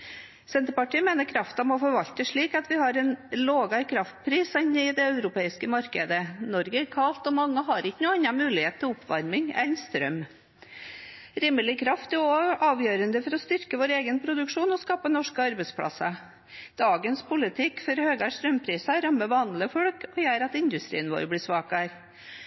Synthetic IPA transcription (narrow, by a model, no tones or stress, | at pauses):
sɛnt̪əɾpɑʈiːəmeːnəɾkʰɾɑft̪ɑmɔfɔɾʋɑʎt̪əʂɭiːkɑt̪ʋɪhɑɾɛnloːɡɑɾkʰɾɑft̪̚pʰɾiːsɪnɪd̪ɛœʉɾʊpeːɪskəmɑɾkəd̪ənɔɾɡəɛɾkʰɑːlt̪ɔmɑŋːəɦɑɾɪkːənuːɑnːɑmʉːlɪheːt̪̚t̪ʰːɪlʊpːʋɑɾmɪŋæ̰ɾnst̪ɾœm | ɾɪmːəlɪkʰɾɑft̪ɛɔɑːʋjøːɾənd̪əfɔɾɔst̪ʏɾkəʋoːɾeːɡənpʰɾʊd̪ʉkʂuːnɔskɑːpənɔʂkəɑɾbɛɪspʰɽʔɑ̰sːɑ | d̪̥ɑːɡənspʰʊlɪt̪ʰɪkːfɔɾhøːɡɑʂt̪ɾœmpʰɾiːsɑæɾɑmːəʋɑːnlɪəfɔɽkɔjæːɾɑt̪ɪnd̪ʉst̪ɾḭːənʋo̰ːɾbliːʂʋɑːkɑɾ